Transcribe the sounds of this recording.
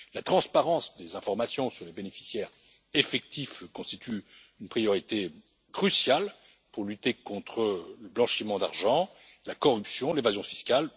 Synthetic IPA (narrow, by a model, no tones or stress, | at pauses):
lat̪χɑ̃spaʁɑ̃sd̪ezɛ̃fɔʁmasjɔ̃syʁlebenefi̥sjɛʁ | efɛk̚t̪ʰifkɔ̃st̪it̪ʰy | ynpχijɔʁit̪e | kχysjal | puʁlyt̪ekɔ̃t̪χələblɑ̃ʃimɑ̃d̪a̰ʁʒɑ̃ | lakɔʁypsjɔ̃levazjɔ̃fi̥skʲal